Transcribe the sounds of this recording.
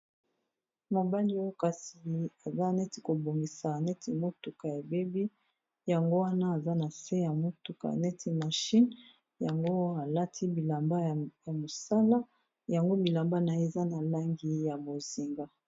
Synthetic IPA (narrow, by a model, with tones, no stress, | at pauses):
mo˨ba˦li˦o˦ka˨si˨a˨za˦nɛ˦ti̥˨ko˨bo˨ŋɡi˨sa˨nɛ˦tʰi˨mo˦tu˨ka˨ja˨be˦bi˦ | ja˨ŋɡo˦wa˦na˦a˨za˦na˨se˦ja˨mo˦tu˨ka̰˨nɛ˦ti˨ma˨ʃi˦n | ja˨ŋɡo˦a˨la˦tʰi˦bi˨la˨mba˦˨ja˨mo˨sa˦la˦ | ja˨ŋɡo˦bi˨la˨mba˦na˨e˨za˦na˨la˦ŋɡi˨ja˨bo˨zi˨ŋɡa˦